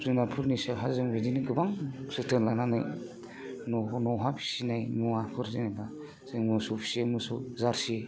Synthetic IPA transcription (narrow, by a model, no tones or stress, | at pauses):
zɯnapʰɯɾnisaɦazɯŋwediniɡɯbaŋsɯtʰɯnlanana̰j | nɔnɔɦapʰi̥sinajmuapʰɯɾzinala | z̥ɯŋmɯsupʰi̥semɯsuzaɾsi